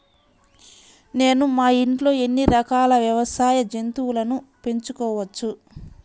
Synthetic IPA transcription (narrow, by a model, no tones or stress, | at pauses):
ne̞ːnumaːiɳʈlo̞ːe̞nːiɾɐkaːlɐʋjɐʋɐsaːjɐd͡ʒent̪uwulɐnupe̞ɲt͡ʃukɔːʋɐt͡ʃːu